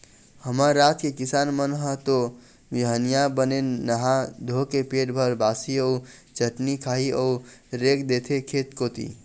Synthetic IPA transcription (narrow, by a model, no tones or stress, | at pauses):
həmaɾːat̪kekɪsaːnmənɦət̪o | ʋiɦənijabənenəɦad̪ʱokepeʈbʱəɾbaːsiəud͡ʒəʈnikʰaɦiəuɾekd̪et̪ʰekʰet̪kot̪ḭ